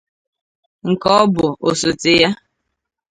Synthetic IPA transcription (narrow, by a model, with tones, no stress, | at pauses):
ŋ̩˨kɔ˦bʊ˨o˨so˨tɪ˦ja˦